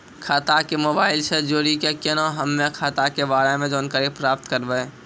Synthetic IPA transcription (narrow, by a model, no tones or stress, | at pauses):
kʰaːt̪akemoːbaːɪlsed͡ʒoːɾikekenõɦəmːẽkʰaːt̪akeʋaːɾamẽd͡ʒoːnkəɾipɾaːp̚t̪kəɾbəe